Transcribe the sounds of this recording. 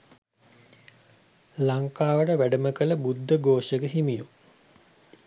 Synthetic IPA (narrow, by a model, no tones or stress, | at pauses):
laŋkaːʋəʈəʋæɖəməkələbud̪ːəɡoːʃəkəɦimiju